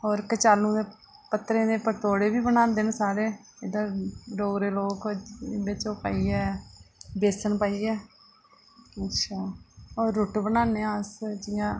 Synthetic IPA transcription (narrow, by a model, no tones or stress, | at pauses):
ɔːɾkət͡ʃaːlːũːd̪eː | pət̪ɾẽːd̪eːpət̪oːɽeːbiːbənãːnd̪eːnːsaːɾeː | ed̪ãːɾoːɡɾeːloːkɪbeːt͡ʃoːpa̰ːiːɛː | beːsəɳpaːiːɛː | ətʃʰaːɔːɾːʊʈbənaːneːãsd͡ʒɪjãː